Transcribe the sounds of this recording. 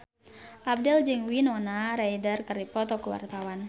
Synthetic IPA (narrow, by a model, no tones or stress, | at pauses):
ʔab̚dɛld͡ʒɨŋwinɔnaɾajdərkɨrdipɔt̪ɔkuwa̰rt̪awan